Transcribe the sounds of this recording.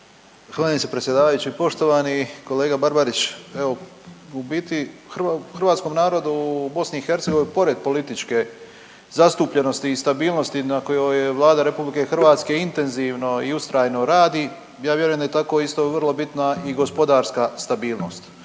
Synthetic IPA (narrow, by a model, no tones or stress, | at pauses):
xaːlisepɾesjed̪aːʋajut͡ɕipo̞ʃt̪o̞ʋaniko̞leːɡabaɾbaɾit͡ɕeʋoubiːt̪ixraxr̩ʋaːt̪sko̞mnaːɾo̞d̪ubo̞sniixe̞ɾt̪seɡoinpo̞ɾe̞d̪̚po̞lit̪it͡ʃke̞ | zast̪uːpʎe̞no̞st̪iːst̪abiːlˠno̞st̪inako̞jojeʋlˠaːd̪aɾe̞publike̞xrʋaːt̪ske̞int̪e̞nziʋno̞iust̪ɾajno̞ɾaːd̪i | jaːʋje̞ɾujemd̪ajet̪ako̞ist̪o̞ʋər̩lˠo̞bit̪naiɡo̞spo̞d̪aːɾskast̪abiːlˠno̞̰st̪